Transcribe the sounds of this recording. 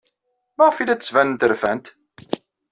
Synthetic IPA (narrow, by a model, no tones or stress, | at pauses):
mæʁfilæt͡sːəsvænənt̪əɾfænt̪